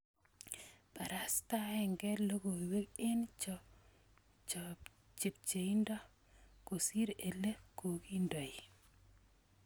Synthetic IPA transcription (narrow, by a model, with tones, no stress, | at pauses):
pa˨ɾa˦sta˦ɛ˨ŋɡɛ˦lo˦ɡo˨we˦kɪ˦nt͡ʃɔ | t͡ʃ | t͡ʃe˨p̚t͡ʃe˨i˦ndɔ˦ | ko˨si˦ɾe˨le˦ko˨ki˦ndɔ˨i˨